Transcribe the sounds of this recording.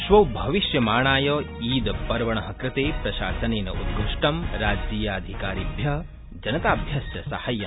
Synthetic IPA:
ʃʋɐwbʱɐʋiʃjɐmaːɳaːjɐːiːd̪pɐɾʋɐɳɐɦɐkɾɪt̪eːpɾɐʃaːsɐneːnɐʔud̪ɡʱuʂʈɐmɾaːd͡ʒiːjaːɐd̪ʱikaːɾibʱjɐ | d͡ʒɐnɐt̪aːbʱjɐsjɐsɐhɐjɐ

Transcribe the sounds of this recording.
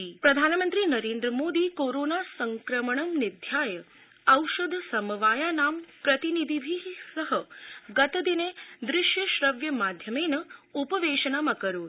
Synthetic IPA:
ipɾɐd̪ʱaːnmənt̪ɾinɐɾẽːnd̪ɾəmoːd̪ikoɾonasəŋkɾəməɳɐmnɪd̪ʱjaːjə | ɐwʃəd̪ʱsɐməʋaːjanampɾɐt̪inid̪ʱibʱisəɦəɡət̪əd̪ined̪ɾɪʃjəʃɾəʋjəmad̪ʱjəmenəupəʋeʃənamakəɾoː

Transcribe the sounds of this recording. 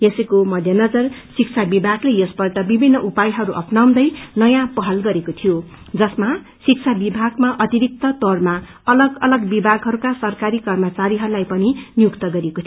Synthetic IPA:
jesʌkomʌd̪ʱjʌnʌd͡zʌrsik̚t͡sʰabibʱaɡlejʌsbʌrt̪ʌbibʱinːʌʔupajɦʌɾuʔʌpnaw̃d̪ʌjnʌjãpʌɦʌlɡʌɾekot̪ʰijo | d͡zʌsma | sik̚t͡sʰabibʱaɡmaʔʌt̪iɾik̚t̪ʌt̪orma | ʌlʌɡʌlʌɡbibʱaɡɦʌɾukasʌrkaɾikʌrmʌt͡saɾiɦʌɾulajpʌninjukt̪ʌɡʌɾiekot̪ʰ

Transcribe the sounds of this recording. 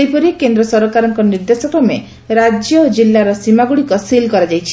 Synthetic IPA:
ejpɔɾikend̪ɾɔsɔɾɔkaɾɔŋkɔniɾd̪esɔkɾɔme | ɾad͡ʒjɔd͡ʒilːaɾɔsimaɡuɽikɔsilkɔɾad͡ʒajt͡ʃʰi̥

